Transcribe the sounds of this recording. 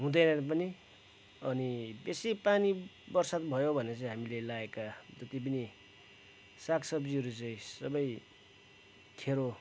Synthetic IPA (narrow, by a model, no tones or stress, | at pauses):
ɦũd̪ʌjnʌpʌni | ʌnibesipani | bʌrsat̪bʱʌjobʱʌnet͡sʌj̃ɦamilelaekad͡zʌt̪ip̬ʌni | saksʌbd͡ziɦʌɾut͡sʌĩsʌbʌj | kʰeɾo